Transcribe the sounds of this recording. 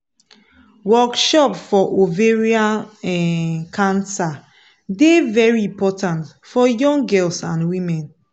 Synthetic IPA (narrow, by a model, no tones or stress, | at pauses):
wɔkʃɔpfɔʔoveɹia | kʰãnsa | devɛɹiĩmpɔtãnt | fɔjɔ̃ŋɡɛlsãnwĩmɛ̃n